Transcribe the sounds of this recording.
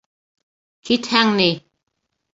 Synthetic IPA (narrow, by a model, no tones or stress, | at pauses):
kʰit̪hæŋni